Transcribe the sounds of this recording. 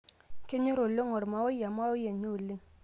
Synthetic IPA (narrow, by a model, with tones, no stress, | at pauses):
ke˦ɲo˦ɾo˨lo˦ŋo˨ɾma˨wo˦ja˨ma˦o˦je˨ɲo˦˨li˦ŋ